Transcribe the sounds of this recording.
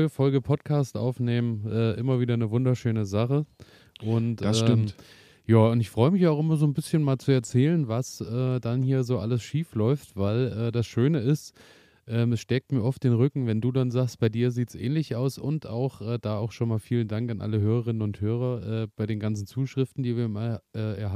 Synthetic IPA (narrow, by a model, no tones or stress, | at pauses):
əfɔlɡəpʰɔtkʰaːstʔa̰ʊfneːmənʔɛːʔɪmɐviːdɐnəvʊndɐʃøːnəzaχə | ʔʊntɛːɪmt | jaːʊntɪçfʁ̥ɔʏəmɪçaʊxʔɪmɐzoːnbɪsçənmaːlt͡suɛɐt͡sɛːlənvasʔɛːdanhiːɐzoːʔa̰ləsʃiːflɔʏftv̥aɪlʔɛːdasʃøːnəɪst | ʔɛːmɛsʃtɛːk̚tmiːɐʔɔftd̥eːnʁʏkŋ̩vɛnduːdanzaːkst̚b̥aɪdiːɐziːtsʔɛ̰ːnlɪçaʊsʊ̰nta̰ʊxʔɛːdaːaʊxʃoːnmaːlfiːləndaŋkanʔa̰ləɦøːʁəʁɪnənʊnthøːʁ̞ɐʔɛːb̥aɪɾeːnɡant͡sn̩t͡suːʃʁ̥ɪftn̩diːviːɐmaʔɛːɛɐ